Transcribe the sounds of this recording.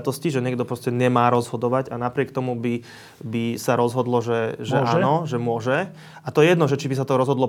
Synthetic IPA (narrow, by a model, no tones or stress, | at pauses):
t̪ɔsciʒɛɲɪɛɡ̚d̪ɔpɾɔscɛɲɛmaːɾɔzɦɔd̪ɔʋaɟanapɾɪɛkt̪ɔmubi | bisaɾɔzɦɔd̪lɔʒɛʒɛanɔʒɛmʊɔʒɛ | at̪ɔjɛjɛd̪nɔʒɛt͡ʃibis̬at̪ɔɾɔzɦɔd̪lɔ